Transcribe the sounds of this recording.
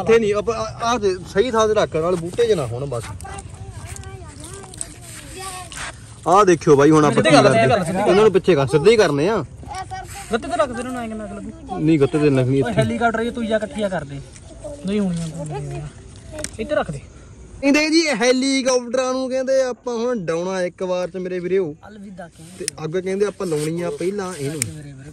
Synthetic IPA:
t̪ʰːeːnĩːəpat̪esəiːt̪ʰaːd̪eːɾakʰːnaːlbuːʈeːd͡ʒɪnãːɦʊɳbəs | aːd̪eːkʰːijoːbʱaːiːɦʊnaːəakəəlsɪnãːnũːp̬ɪtːʃʰeːkãsəd̪iːkəɾnẽːãː | ɡət̪ːeːt̪eɾəkʰseɾõːnãːeːkənãːɡləbi | nĩːɡət̪ːeːt̪eləkʰniːɦɛːliːkaːp̚ʈəɾit̪uːd͡ʒaːkəʈʰːɪjaːkəɾd̪eː | niːɦuːɳjãːtõãː | ɪt̪ʰːeːɾəkʰd̪eː | ɪ̃ːd̪eːked͡ʒiːɦɛːliːkaːp̚ʈəɾãːnũːkɛ̃ːnd̪eːaːpãːɦʊɳɖaːʊɳãːɪkbaːɾt͡ʃəmeːɾeːbiɾeːoː | t̪eːəɡkɛ̃ːnd̪eːaːpãːləːɳ̃ɪjãːpəilãːɪnũː

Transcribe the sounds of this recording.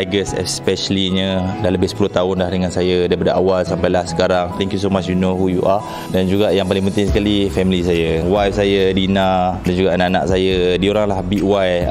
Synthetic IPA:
aɡəsɛ̰spɛʃəliɲəlahləbɪhsə̥pulʊht̪aʊnlahdəŋãnsajadaipadaʔawalsampajlahsə̥kaɾaŋt̪ɛŋkjus̬omat͡ʃjunohujuʔa | dand͡ʒuɡaʔjaŋpalɪ̃ŋpənt̪ɪŋs̬əkalifɛmilisajawajfsajadinadand͡ʒuɡaʔanaʔana̰ʔsajadioɾaŋlahbiʔwaj

